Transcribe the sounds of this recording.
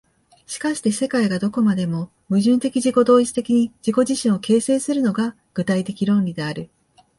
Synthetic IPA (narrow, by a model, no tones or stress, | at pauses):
ɕi̥kaɕi̥t̪e̞se̞kaiɡad̪o̞ko̞mad̪e̞mo̞ | mɯ̟ʑɨ̃nt̪e̞kʲiʑiko̞d̪o̞ːit͡sɨ̥t̪ekʲiɲ̟id͡ʑiko̞ʑiɕĩɰ̃oke̞ːse̞ːsɨɾɯ̟no̞ɡa | ɡ̥ɯ̟t̪ait̪e̞kʲiɾõ̞nɾʲid̪e̞aɾɯ̟